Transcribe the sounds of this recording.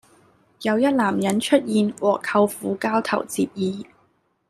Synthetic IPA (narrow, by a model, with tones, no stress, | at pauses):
jɐ˨˧wjɐ˥t̚laː˨˩mjɐ˨˥nt͡ʃʰɵ˥t̚jiː˧nwɔː˨kʰːɐ˧wfuː˨˥kaː˥wt̪ʰɐ̰˨˩wt͡siː˧p̚jiː˨˧